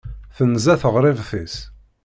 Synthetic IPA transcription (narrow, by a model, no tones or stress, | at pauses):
θənzæθəʁɾˤɪvθis